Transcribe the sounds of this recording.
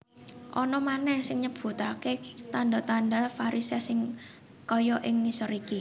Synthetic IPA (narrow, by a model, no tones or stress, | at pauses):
ʔɔnɔmanɛhsɪŋɲəb̥ṳt̪aket̪anda̤t̪anɖa̤faɾisasɪŋ | kɔjɔʔɪŋːisəɾiki